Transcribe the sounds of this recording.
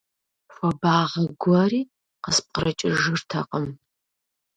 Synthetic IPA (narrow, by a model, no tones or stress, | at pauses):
xʷɐbaːʁɐɡʷɔriː | qəsp̚qəɾɐt͡ʃʼɪʒɨrtʰɐqəm